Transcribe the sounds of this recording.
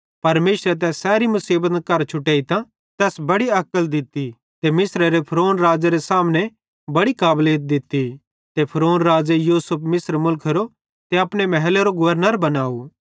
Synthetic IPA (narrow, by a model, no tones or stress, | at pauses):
pɐɾmeːʃɾet̪̬ɛːsɛːɾimʊsiːbət̪kɐɾt͡ʃʰʊʈeːit̪ã | t̪ɛːsbɐɽiɐkəld̪ɪt̪ːi | t̪emɪsɾaɾepʰɾoːnɾaːd͡ʒaɾesaːmnẽ | bɐɽikaːbleːt̪̚d̪ɪt̪ːi | t̪epʰɾoːnɾaːd͡ʒejuːsəpʰmɪsɾmʊlkʰɾo | t̪eɐpɽemɛɦɛleɾoɡʊʋəɾnəɾbɐnaːu